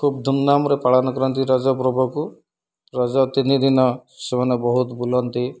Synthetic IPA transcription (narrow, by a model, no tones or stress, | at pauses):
kʰub̚d̪ʱunːamɾepaɽanɔkɔɾɔnt̪iɾad͡ʒɔpɾɔbʱɔku | ɾɔd͡ʒɔt̪inid̪ʱinɔsemanebɔɦut̪bulɔnt̪i